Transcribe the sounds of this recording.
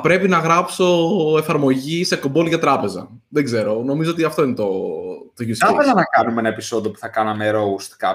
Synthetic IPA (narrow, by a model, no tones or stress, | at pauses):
pɾe̞pinɐɣɾɐpso̞e̞fɐɾmo̞ʝisekobolʝɐt̪ɾɐpe̞zɐ̰ðe̞ɡze̞ɾo̞no̞mizoo̞t̪iɐft̪o̞inet̪ot̪oʝiuselɐnɐkɐnumenɐepiso̞ðiopu̥θɐkɐnɐmeɾoust̪kɐ